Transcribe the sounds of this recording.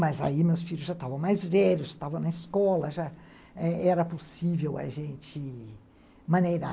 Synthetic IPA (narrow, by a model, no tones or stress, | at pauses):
mɐza̰imewsfiʎʊzʒat̪avɐ̃w̃majzvɛʎʊsʒat̪avɐ̃w̃nɐɪskɔlɐʒa | ɛɛɾɐposivewɐ̰ʒẽnt͡ʃɪ | mɐ̃nejɾa